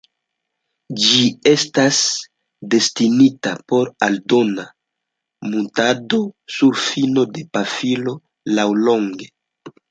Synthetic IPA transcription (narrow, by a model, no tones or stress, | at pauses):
d͡ʒie̞stas | de̞stinitapo̞ɾaldona | muntado̞suɾfino̞de̞pafilo̞ | lawlo̞ŋɡe̞